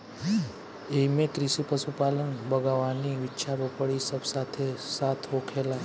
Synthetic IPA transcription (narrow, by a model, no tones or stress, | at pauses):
eːmẽkɾɪʃipəsupaːlənbʱɐɡaʋaːniʋɪtːʃʰabopəɽisəbsaːt̪ʰesaːt̪ʰɦoːkʰeːla